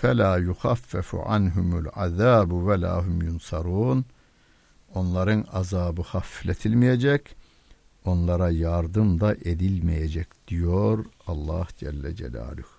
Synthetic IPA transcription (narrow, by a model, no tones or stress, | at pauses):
fælaːjuxafːæfṵʕa̰nɦumulʕa̰ðaːbuwæla̰ːɦumjunsɑɾuːn | o̞nlˠɑɾɯnɑzɑːbɯxɑflet̪ʰilmijed͡ʒɛc | o̞nlˠɑɾɑjɑɾd̪ɯmd̪ɑʔed̪ilmijed͡ʒɛkd̪̥ijoɾɑlˠːɑhd͡ʒælːæd͡ʒæ̰la̰ːluh